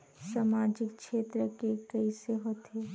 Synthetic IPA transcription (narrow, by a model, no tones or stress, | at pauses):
saːmaːd͡ʒɪkʃeːt̪ɾəkekɐiseɦoːt̪eː